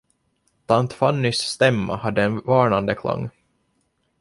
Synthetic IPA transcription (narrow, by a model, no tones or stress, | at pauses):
t̪ʰant̪fanːʏsːt̪ɛmːa̰had̪ːəɛnvɑːɳand̪əkʰla̰ŋː